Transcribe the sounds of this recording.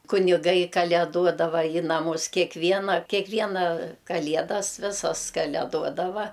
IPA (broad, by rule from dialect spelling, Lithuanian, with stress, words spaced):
kʊnʲɪˈɡɐɪ kɐlʲɛˈduɔdɐʋɐ ɪ nɐˈmʊs kʲɛkˈʋʲiɛnɐ kʲɛˈkʋʲiɛnɐ kɐˈlʲiɛdɐs ˈʋʲɪsɐs kɐlʲɛˈduɔdɐʋɐ